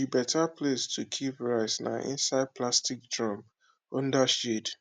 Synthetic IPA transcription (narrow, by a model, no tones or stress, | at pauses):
ibɛtapʰlestʰukʰipɹaɪsna̰ʔḭ̃nsaɪd̚pʰlastik̚dɹɔ̃m | ɔ̃ndaʃid